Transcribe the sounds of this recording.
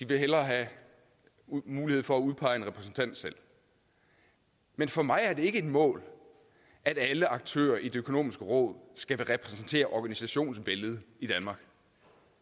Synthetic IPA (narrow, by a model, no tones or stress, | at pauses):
d̥iʋe̝ɦelɐɦæ | muːlihe̝ð̞̰ˠfɒ̽æuðˠpʰɑ̈ɪ̰enʁɛpʰʁɛs̬n̩t͡sʰæn̰d̥sel̰ | menfɒ̽mɑ̈ɪæɐd̥e̝e̝ɡ̥əe̝d̥mɔ̰̽ːl | æɾ̥æləʔɑ̈ɡ̥̚t͡sʰø̰ːɐʔide̝økʰo̝no̝̰ːmisɡ̥əʁɔ̽ːð̞̰ˠsɡ̥æʋe̝ʁɛpʰʁɛsn̩t͡sʰe̝̰ːɐʔɒɡ̥ænisæɕo̝̰ːnsʋeləð̩ˠid̥ænmɑ̈ːɡ̥